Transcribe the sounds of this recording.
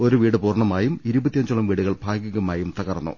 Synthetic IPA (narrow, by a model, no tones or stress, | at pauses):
o̞ɾuʋiːɽɨpuːrɳɐmaːjumiɾubɐt̪ːijɐɲd͡ʑuɭɐmʋiːɽuɣɐɭbʱaːɡjiɣɐmaːjumt̪ɐɣɐrɐnːṵ